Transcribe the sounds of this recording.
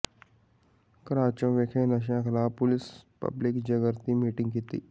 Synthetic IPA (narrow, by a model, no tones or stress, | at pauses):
kəɾaːt͡ʃə̃ʋekʰẽːnəʃ̬jãkʰəlaːpʊlɪspə̰blɪkd͡ʒəɡəɾt̪imiːʈɪ̃ŋɡkit̪ḭː